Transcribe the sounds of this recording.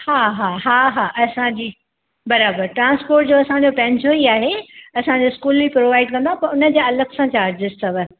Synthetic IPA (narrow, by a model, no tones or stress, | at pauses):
haːɦaːɦaːɦaːʔɐsãɲd͡ʑiː | bɐɾaːbəɾʈɾãːnspoːɾʈd͡ʑoɐsãɲ̆d͡ʑopɐ̃ɦɲd͡ʑoiaːɦeɐsãd͡ʑoɪskuːlbipɾoːʋaːɪɖkɐ̃nd̪ãpɐɾʊnə̆d͡ʑeɐləɡsãt͡ɕaːɾd͡ʑɪsʈɐʋə